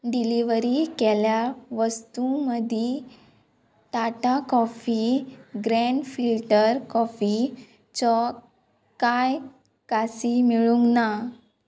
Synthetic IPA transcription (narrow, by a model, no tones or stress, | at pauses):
ɖiliʋɾikeljaʋəst̪uməd̪ʱi | t̪aʈakɔfiɡɾeɳɖfilʈəɾkɔfi | t͡ɕɔ | kaj | kasimiɭũŋɡna